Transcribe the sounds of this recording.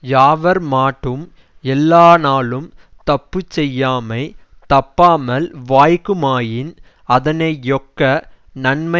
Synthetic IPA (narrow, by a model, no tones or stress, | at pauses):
jaːʋɐɾmaːʈːɯm | ɛlːaːnaːlɯm | t̪ɐpːɯt͡ʃːɛjːaːmɐɪt̪ɐpːaːmɐlʋaːjkːɯmaːjɪn | ɐðɐnɐɪjɔkːɐ | nɐɳmɐ